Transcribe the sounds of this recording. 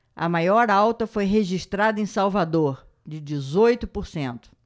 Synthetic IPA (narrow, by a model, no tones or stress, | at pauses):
ɐ̰majɔɾawt̪ɐfojɦeʒiʃt̪ɾad̪ɐẽsawvad̪oɾ | d͡ʒɪd͡ʒɪzojt̪ʊpoɾsẽnt̪ʊ̥